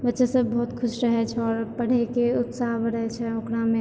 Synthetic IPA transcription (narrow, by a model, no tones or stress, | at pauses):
bətːʃɛsəbːəɦut̪kʰʊsɾəɦɛt͡ʃʰɛɔːɾpəɽ̤ekeut̪saɦbəɽɦɛt͡ʃʰɛokɾame